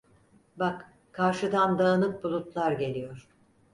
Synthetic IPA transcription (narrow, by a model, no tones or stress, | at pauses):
bak | kʰːaɾʃɯd̪and̪aːnɯk̪̚bulˠut̪lˠaɾɟe̞lʲijoɾ̥